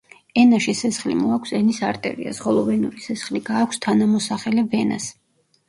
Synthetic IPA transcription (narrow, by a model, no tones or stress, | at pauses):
ɛnaʃisɛsχlḭmɔakʰsɛnisaɾt̪ʼɛ̰ɾḭa̰sʁɔlˠɔvɛnuɾisɛsχliɡaːkʷʰst̪ʰanamɔsaχɛlɛvɛna̰s